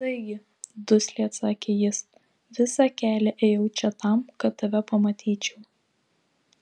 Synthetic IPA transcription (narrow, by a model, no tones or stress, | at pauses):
t̪ɐɪɡʲɪ | d̪ʊsʲlʲiːt̪sɑːkʲejɪs | ʋʲɪsɑkʲæːlʲɛʔɛːjɛʊt͡ʃʲɛt̪ɐmkɐt̪t̪ːɐʋʲɛpɐmɐt̪ʲʰiːt͡ʃʲɛʊ